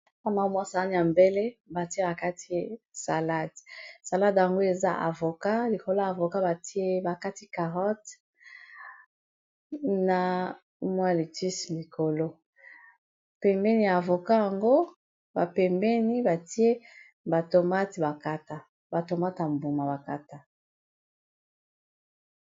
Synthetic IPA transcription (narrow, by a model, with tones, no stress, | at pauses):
a˦ma˨˦mwa˦sa˨la˦di˨ja˨mbe˦le˦ba˨ti˦e˦ba˨ka˦ti˦sa˨la˦dsa˨la˦dja˨ŋɡo˦e˨za̰˦ʔa̰˨vo˨ka˦li˨ko˨lo˦ja˨vo˨ka˦ba˨ti˦e˦ba˨ka˦ti˦ka˨ʁɔ˦t | na˨˦ | mwa˦˨li˨ti˦sli˨kʰo˨lo˦ | pɛ˨mbɛ˦ni˦a˨a˨vo˨ka˦ja˨ŋɡo˦ | ba˨pɛ˨mbɛ˦ni˦ba˨ti˦e˦ | ba˨to˨ma˦tba˨ka˦ta˦ | ba˨to˨ma˦ta˨mbu˨ma˨ba˨ka˦ta˦